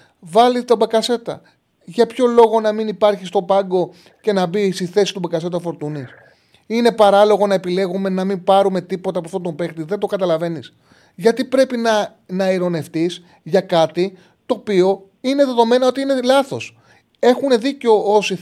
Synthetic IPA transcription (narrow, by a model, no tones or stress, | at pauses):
vɐlit̪obɐkɐse̞t̪ɐ̰ | ʝɐpço̞lo̞ɣo̞nɐminipɐɾçist̪o̞pɐŋɡo̞ | ce̞nɐbisiθe̞si̥t̪ubɐkɐse̞t̪ɐfo̞ɾt̪unis | ine̞pɐɾɐlo̞ɣo̞nɐe̞pile̞ɣume̞nɐmimpɐɾume̞t̪ipo̞t̪ɐpoɐft̪ont̪ombe̞xt̪iðe̞nd̪o̞kɐt̪ɐlɐve̞nis | ʝɐt̪ipɾe̞pinɐ | nɐiɾo̞ne̞ft̪is | ʝɐkɐt̪i | t̪o̞ːpio̞ | ine̞ðe̞ðo̞me̞nɐo̞t̪iine̞lɐθo̞s | e̞xune̞ðiceo̞o̞si